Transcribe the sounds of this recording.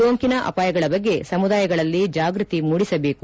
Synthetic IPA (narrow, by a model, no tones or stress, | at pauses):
oŋkinɐʔɐ̰paːjɐɡɐɭɐbɐɡːe̞sɐmud̪aːjɐɡɐɭɐlːid͡ʒaːɡɾut̪imuːɽisɐbe̞ːku